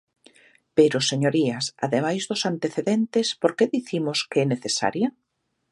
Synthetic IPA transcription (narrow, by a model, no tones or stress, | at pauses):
peɾʊseɲoɾiɐsa̰ðemajzðʊsant̪eθeðent̪ɪspoɾkeðiθimʊskɛneθesa̰ɾjɐ